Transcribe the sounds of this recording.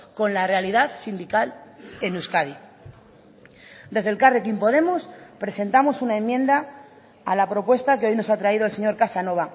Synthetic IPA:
ko̞nlarealiðaθsind̪ikale̞nuskaði | d̪e̞zð̞e̞lkarek̬impo̞ð̞e̞mospɾe̞se̞nt̪amo̞sunae̞mːjẽ̞nd̪aː | lapɾo̞pwe̞st̪akeo̞jno̞sat̪ɾaið̞o̞else̞ɲo̞ɾkasano̞βa

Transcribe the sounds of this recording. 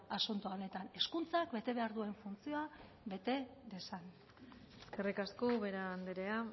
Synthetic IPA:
asunt̪uane̞t̪ane̞skunt͡sakbe̞t̪e̞βe̞aɾðue̞ɱfunt͡sio̞a | βe̞t̪e̞d̪e̞san | eske̞rikaskoβe̞ɾaːnd̪eɾea

